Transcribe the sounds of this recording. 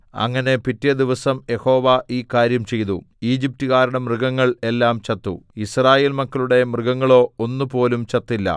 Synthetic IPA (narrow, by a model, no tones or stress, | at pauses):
ɐ̰ŋːɐne̞pitːijɐd̪iʋɐsɐmje̞ho̞ːʋaʔiːkaːɾjɐmt͡ɕe̞jt̪ṵ | iːd͡ʑip̚tuɣaːɾɐɽɐmrɨɡɐŋːɐɭe̞lːaːmt͡ɕɐt̪ːṵisraːje̞ːlmɐkːɐluɽe̞mrɨɡɐŋːɐɭo̞ːonːupo̞ːlumt͡ɕɐt̪ːilːɐ̰